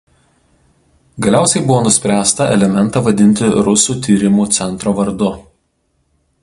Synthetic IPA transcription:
ɡɐlʲæˑʊsʲɛɪbʊʋoːnʊsʲpʲɾʲæːst̪ɐɛ̰lʲɛmʲɛnˑt̪ɑʋɐd̪ʲɪnʲt̪ʲɪɾʊsuːt̪ʲiːɾʲɪmuːt̪sʲɛnˑt̪ɾoːʋɐɾd̪ʊ

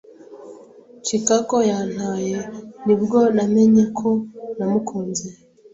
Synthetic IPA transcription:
t͡ʃikakojaːn̥haːjenibɡo̞name̞ɲekʰo̞namukʰoːnze

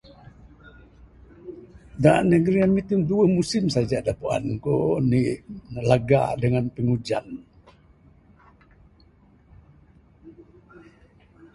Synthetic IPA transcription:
danəɡɾiamit̪imduəmusɪmsad͡ʒadapua̰nkoniəlaɡa̰dəŋanpəŋud͡ʒa̰n

